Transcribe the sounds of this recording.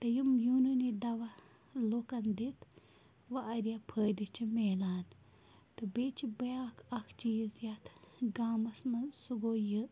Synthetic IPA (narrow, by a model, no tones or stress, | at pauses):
t̪ɐjumjuːnunid̪ɐʋa | lokɐnd̪it̪ʰ | ʋaʔɐɾijapʰəːd̪it͡ʃʰimeːlaːn | t̪ɨbeːt͡ʃʰibɐjaːkʰɐkʰt͡ʃijzjɐt̪ʰɡaːmɐsmɐsuɡoːjɨ